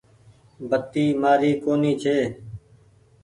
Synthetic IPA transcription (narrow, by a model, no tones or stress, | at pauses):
bət̪ːiːmaːɾiːkoːniːt͡ʃʰeː